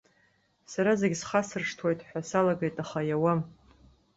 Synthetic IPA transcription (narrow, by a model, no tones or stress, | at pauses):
saɾazeɡʲsχasɨrʂtʰwajtʼħʷᶣasalaɡejtʼaχajawam